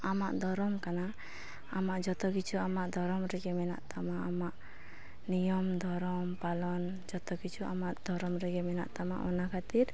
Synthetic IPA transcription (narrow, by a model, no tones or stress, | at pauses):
ama̰ʔd̪ʱɔɾɔmkanaː | maʔd͡ʒɔt̪ɔkit͡ʃʰuamaʔd̪ʱɔɾɔmɾɛɡɛmɛna̰ʔt̪amaːmaʔ | nijɔmd̪ʱɔɾɔmpalɔn | d͡ʒɔt̪ɔkit͡ʃʰua̰maʔd̪̥ʱɔɾɔmɾɛɡɛmɛna̰ʔt̪ama̰ʔɔnakʰat̪iɾ